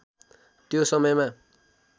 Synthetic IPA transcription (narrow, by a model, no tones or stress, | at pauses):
t̪josʌmʌjma